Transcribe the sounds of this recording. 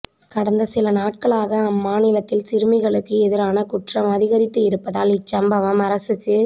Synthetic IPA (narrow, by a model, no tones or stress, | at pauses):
kɐɽɐnd̪ɐsɪlɐnaːʈ̚kɐɭaːɣɐːmːaːnɪlɐt̪ːɪlsɪɾɯmɪɣɐɭɯkːɯɛðɪɾaːnɐkʊʈrɐmɐðɪɣɐɾɪt̪ːɯɪɾɯpːɐðaːlɪt͡ʃːɐmbɐʋɐmɐɾɐsɯkːɯ